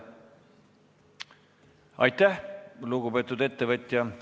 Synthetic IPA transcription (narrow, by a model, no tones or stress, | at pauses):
ɑ̰jt̪ˑːæhluɡube̞ːt̪ːˑud̪e̞t̪ːevɤt̪ʲjɑ